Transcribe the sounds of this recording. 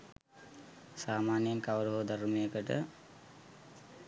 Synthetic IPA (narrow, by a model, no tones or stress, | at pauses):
saːmaːnjəŋkaʋəɾuɦod̪aɾumejəkəʈə̰